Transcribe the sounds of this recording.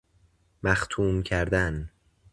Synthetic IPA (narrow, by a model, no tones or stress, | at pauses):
mæxt̪ʰuːmcʰæɾd̪æn